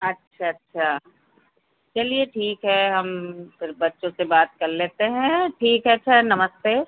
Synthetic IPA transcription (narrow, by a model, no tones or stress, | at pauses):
ɐtːʃʰaɐtːʃʰaː | t͡ʃɐlieʈʰiːkɦɛɦɐmfɪɾbɐtːʃõsebaːt̪̚kɐɾleːt̪eɦɛ̃ʈʰiːkɦɛtːʃʰaɦnɐməst̪eː